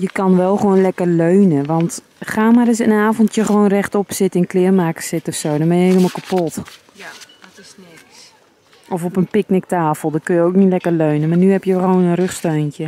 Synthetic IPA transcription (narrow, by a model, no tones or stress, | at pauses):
jəkɑnʋɛlˠxəʋoːnlɛkərløːnəʋɑnt | xaːmaɾɪs̬ənaːvontjəxəʋoːnrɛxtɔpsɪtɪnklɪərmaːkə̥sɪtɔfsoːdɔnbɛnjəheləmɔlˠkapot | ʔɔfɔpənpɪknɪk̚taːfəlˠdɔtkønjəowknitlɛkərløɥnəmaːrnyhɛpjəxʋoːnənrøxstøːntjə